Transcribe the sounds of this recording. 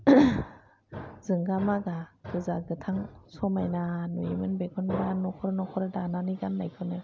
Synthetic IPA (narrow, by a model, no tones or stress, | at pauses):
zɯŋɡamakakɯzaɡɯt̪ʰaŋsʰɔmajnanujimanbekʰɔnɡanːɔkʰɔɾanɔkʰɔɾadananiɡandajkʰɯna